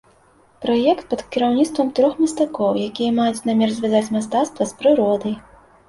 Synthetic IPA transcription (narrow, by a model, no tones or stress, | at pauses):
pɾajɛkt̪̚pɐt̪kʲiɾawnʲit̪st̪vɐmt̪ɾɔxmʲɐst̪akɔwjakʲijɐmajut͡sʲnamʲɛrzʲvʲazat͡sʲmast̪at̪st̪vɐspɾɨɾɔd̪ɐj